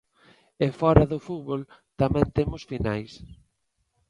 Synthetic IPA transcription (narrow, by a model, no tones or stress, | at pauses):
efɔɾaðʊfut̪βolt̪amɛ̃nt̪emʊsfinajs